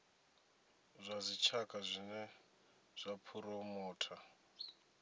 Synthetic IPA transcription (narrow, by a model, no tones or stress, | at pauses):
zʷazʷit͡ʃʰakʼazʷinɛ | z̥ʷapʰuɾɔmɔːtʰa